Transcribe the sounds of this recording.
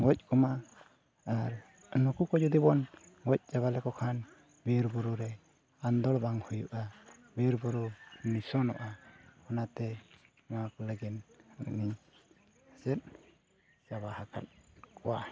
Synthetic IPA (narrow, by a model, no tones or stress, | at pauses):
ɡɔc̚kɔma | aɾ | nɔkukɔd͡ʒud̪ibɔn | ɡɔc̚ˀt͡ʃaβalɛkɔkʰan | biɾbuɾuɾɛ | and̪ɔɽbaŋhujuʔabiɾbuɾunisɔnɔ̰ʔahɔnat̪ɛ | makɔləɡinni | sɛt̪̚ | saβahaka̰t̪̚kɔwa